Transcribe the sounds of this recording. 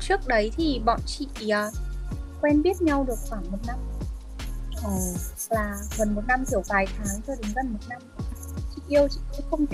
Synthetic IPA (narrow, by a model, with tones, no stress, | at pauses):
t͡ɕɨ˦˥ək̚ɗə˨˦jt̪ʰi˨˩ɓɔ̰˧˨nt͡ɕḭ˧˨əː˨˩kwɛ˧nɓi˦˥ət̚ɲa˧wɗɨ˨˩ək̚xwaː˧˩ŋmo˨˩t̚na˧m | ʔəː˨˩ | laː˨˩ɣə˨˩nmo˨˩t̚na˧mt̪ʰi˨˧˩əwvaː˨˩jt̪ʰaː˨˦ŋt͡ɕɔ˧ɗɨ˨˦ŋzə˨˩nmo˨˩t̚na˧m˨˩t͡ɕḭ˧˨ʔi˧əwt͡ɕḭ˧˨kə˨˦xə˧wŋ͡m